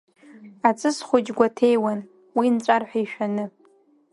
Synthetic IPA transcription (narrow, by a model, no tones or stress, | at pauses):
at͡sʼɨsχʷʊd͡ʒɡʷatʰejwan | wint͡ʃʷʼarħʷᶣaiʃᶣanɨ